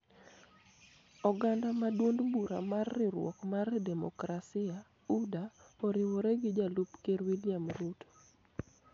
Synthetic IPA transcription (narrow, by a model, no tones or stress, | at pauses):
ɔɡandamadwondbuɾa̰marːɪɾwɔ̰kmardɛmɔ̰kɾasɪa | udapoɾɪwoɾɛɡɪd͡ʒalupkeɾwilɪamɾut